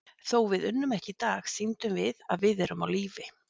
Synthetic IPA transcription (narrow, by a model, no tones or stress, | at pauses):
θowvɪðʏnːʏmɛhcɪt̪aːxsint̪ʏmvɪða̰ðvɪðɛɾʏmawliːvɪ